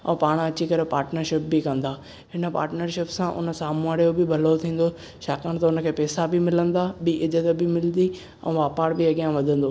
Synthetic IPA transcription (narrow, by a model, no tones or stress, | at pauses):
ɛ̰̃ːpaːɽ̃ɐt͡ɕikɐɾepaːɾʈnəɾʃɪp̚bɪkɐ̃nd̪aː | ɦɪnəpa̰ːɾʈnəɾʃɪpsãʔʊ̰nə̆saːmuaːɽjobɪbʱɐlot̪ʰĩːn̆d̪o | ʃaːkəɽ̃t̪ɐʊnə̆kʰeːpɛːsabɪmɪlə̃nd̪abɪʔɪzət̪bɪmɪlnd̪i | ɛ̰̃ːʋaːpaːɽbiɐɠijãʋɐd̪ʱə̃nd̪oː